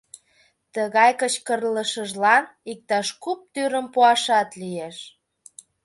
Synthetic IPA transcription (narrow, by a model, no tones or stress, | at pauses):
t̪əɣɑjkət͡ɕkərləʃəʒlɑnik̚t̪ɑʃkup̚t̪yɾəmpuɑʃɑt̪lijeʃ